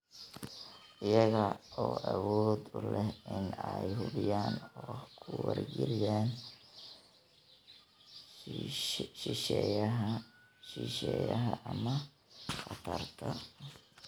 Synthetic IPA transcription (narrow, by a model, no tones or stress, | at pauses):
ʔɪjɐɣɐɔːʔɐwɔːd̪ʊlɛhɪnɛjhʊβɪjaːnɔhkʰʊwɐrɡɛlɪjaːn | ʃɪʃɛjɐɦɐ | ʃiʃɛjɐɦɐʔɐmɐ | qɑt̪ʰɐrt̪ʰɐ